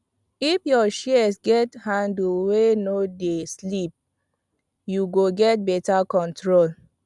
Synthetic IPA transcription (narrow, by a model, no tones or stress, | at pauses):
ifjɔʃisɡɛthãndulwenodeslip̚ | juɡoɡɛt̚bɛtakɔ̃ntɹol